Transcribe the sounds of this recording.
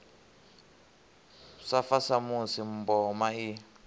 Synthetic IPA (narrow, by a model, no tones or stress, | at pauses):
safasamusim̩bɔmai